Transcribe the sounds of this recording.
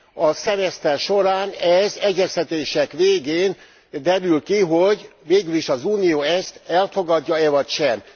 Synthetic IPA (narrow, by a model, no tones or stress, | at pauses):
ɒsɛmɛst̪ɛrʃo̞ɾaːnɛzɛɟːɛst̪ɛt̪eːʃɛkʋeːɡeːn | d̪ɛɾylkiɦoɟveːɡyliʃɒzuːnijoːɛst̪ɛlfo̞ɡɒɟːɒɛvɒcʃɛm